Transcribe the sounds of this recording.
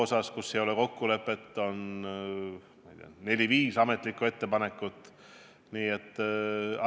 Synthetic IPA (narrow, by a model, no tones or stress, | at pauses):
osɑskusːejo̞leko̞kːule̞pːˑe̞t̪ːˑo̞n | mɑijt̪ḛɑ̰ne̞lʲiviːsɑme̞t̪ˑlikːˑue̞t̪ːe̞pɑne̞kːˑut̪ːˑ | niːet̪ːɑ